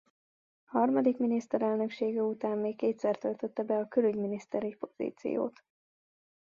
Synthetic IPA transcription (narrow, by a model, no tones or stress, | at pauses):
hɒrmɒd̪ikminist̪ɛɾɛlnø̞kʃeːɡɛut̪aːmːeːkːeːt̪sɛrt̪ølt̪øt̪ːɛbɛɒkølyɟminist̪ɛɾipo̞zḭːt̪sḭjo̰ːt̪